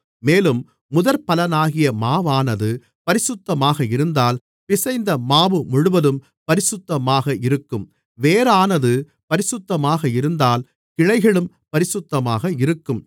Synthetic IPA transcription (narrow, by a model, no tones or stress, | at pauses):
meːlɯmː | ʊðɐɾpɐlɐnaːɣɪjɐmaːʋaːnɐðɯ | pɐɾɪsɯt̪ːɐmaːɣɐɪɾɯnd̪aːl | pɪsɐɪnd̪ɐmaːʋɯmʊɻʊʋɐðɯm | pɐɾɪsɯt̪ːɐmaːɣɐɪɾɯkːɯm | ʋeːɾaːnɐðɯ | pɐɾɪsɯt̪ːɐmaːɣɐɪɾɯnd̪aːl | kɪɻɐɪɣɐɭɯm | pɐɾɪsɯt̪ːɐmaːɣɐɪɾɯkːɯm